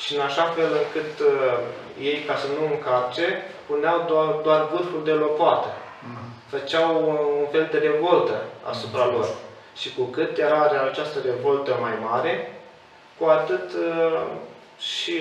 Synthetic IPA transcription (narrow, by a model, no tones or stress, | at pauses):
ʃiɨnaʃafe̞lɨŋkɨt̪ | je̞jkasənuɨŋkart͡ʃe̞ | puneawd̪ad̪oarvurfuld̪e̞lo̞poat̪ə | fət͡ʃawunfe̞ld̪e̞ɾe̞vo̞lt̪əa̰supɾalo̞r | ʃikukɨt̪jeɾaɾeat͡ʃast̪əɾe̞vo̞lt̪əmajmaɾe̞ | kuat̪ɨt̪ | ʃi